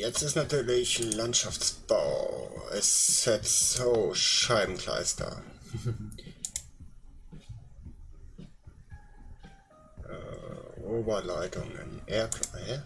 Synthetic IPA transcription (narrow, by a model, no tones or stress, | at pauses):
jɛt͡stɪstnatʰyːɐlɪçlantʃaft͡sb̥a̰ʊɛ̰sɪtz̥oːʃaɪbm̩kʰl̥a̰ɪstʰɐ̰ | ʔɛ̰ːʔoːbɐlaɪtʰʊ̰ŋɪ̰nʔɛɐkʰhɛ